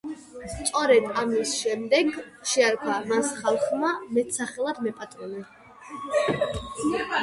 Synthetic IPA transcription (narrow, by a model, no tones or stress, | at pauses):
st̪sʼɔɾɛd̪amisʃɛmd̪ɛɡ | ʃɛaɾkʰamasχalˠχmamɛt̪ʰsaχɛlˠad̪mɛpʼat̪ʼɾɛnɛ